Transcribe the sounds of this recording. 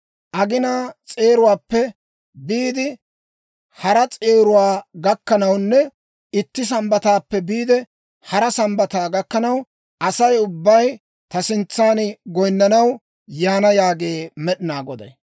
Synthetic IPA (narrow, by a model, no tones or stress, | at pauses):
ʔɐɡɪnaːt͡sʼe̞ːɾʊwaːpːɛ | biːd̪ɪ | hɐɾɐt͡sʼe̞ːɾʊwaːɡɐkːɐnɐwnːɛ | ɪt̪ːɪs̬ɐmbɐt̪aːpːɛbiːd̪ɛ | hɐɾɐsɐmbɐt̪aːɡɐkːɐnɐw | ʔɐsɐjʊbːɐj | t̪ɐsɪnt͡sːaːnɡɔjnːɐnɐw | jaːnɐjaːɡe̞ːmɛɗɪnaːɡɔd̪ɐ̰j